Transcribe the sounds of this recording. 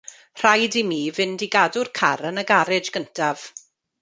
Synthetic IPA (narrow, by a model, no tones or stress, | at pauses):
r̥ajdimiːvɪndiɡadʊrkʰaɾənəɡaɾɪd͡ʒɡ̥əntʰav̥